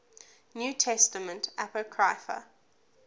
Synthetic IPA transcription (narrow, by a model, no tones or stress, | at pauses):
njuːtʰɛstəmə̃ntʰapəkʰɹaɪfə̰